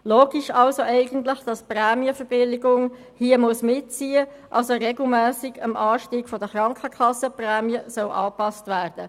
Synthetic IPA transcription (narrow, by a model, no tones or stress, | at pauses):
loːɡ̥ɪʃɑlsoʔɛɪɡəntlɪχd̥ɑsprɛːmiəfəɾb̥ɪlɪɡʊŋ | hiəmʊsmɪt̚t͡siːə | ʔɑlsoɾɛɡl̩mæːsɪɡ̥əmʔɑːʃtiːɡ̥fɔdəχrɑŋkχəkʰɑsːəprɛːmiəsœlʔɑːpɑstʋæːrd̥ə